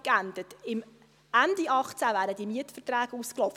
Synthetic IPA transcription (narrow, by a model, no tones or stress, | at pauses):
kænd̥̪ətɪm | ændiʔɑχt͡sævæːɾədimiətfərtræːɡ̥usklɔf